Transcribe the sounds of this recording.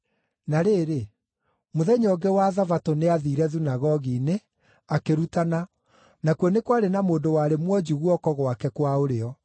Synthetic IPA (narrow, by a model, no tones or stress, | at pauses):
naɾeːɾe | moðɛɲɔɡɛwaðavatoneaðiɾɛðunaɣɔɣine | akeɾutana | nakwɔnekwaɾenamoːndowaːɾemwɔd͡ʑiɣwɔkɔɣwakɛkwaoɾeɔ